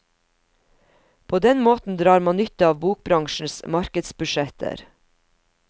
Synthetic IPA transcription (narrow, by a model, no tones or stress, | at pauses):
pʰoːd̪ɛnmoːt̪n̩d̪ɾɑːɾmɑːnʏt̪əɑːʋbuːk̚bɾɑŋʃɳ̩smɑɾkəd̪sbʉʃɛt̪ʰə̰ɾ